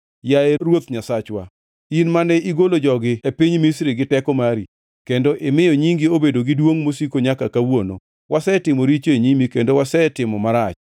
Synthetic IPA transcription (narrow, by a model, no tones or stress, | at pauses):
jaeɾwot̪ɲasat͡ʃwa̰ | inmanɛiɡolod͡ʒɔɡɪepiɲmisɾɪɡɪtɛkɔmaɾi | kendoʔɪmɪjoɲiŋɡɪobedoɡɪdwoŋmosikoɲakakawono̰ | wʔasɛtɪmoɾit͡ʃeɲimikendowasɛtɪmɔmaɾat͡ʃ